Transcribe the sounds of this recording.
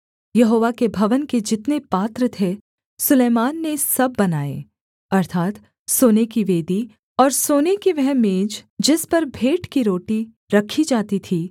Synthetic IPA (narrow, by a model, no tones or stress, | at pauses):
jɐɦoːʋakebʱɐʋənked͡ʒɪt̪nepaːt̪ɾət̪ʰe | sʊleːmaːnːesɐbːɐnaːḛː | ɐɾt̪ʰaːt̪ | soːnekiʋeːd̪i | ɔːɾsoːnekiʋɛɦmẽːd͡ʒd͡ʒɪspɐɾbʱeːʈkiɾoːʈi | ɾɐkʰid͡ʒaːt̪it̪ʰiː